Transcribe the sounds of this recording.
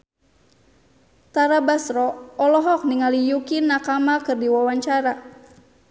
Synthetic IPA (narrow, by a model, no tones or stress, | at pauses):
t̪aɾabasɾɔɔlɔɦɔk̚niŋalijukinːakamakɨrdiwawaɲt͡ʃaɾa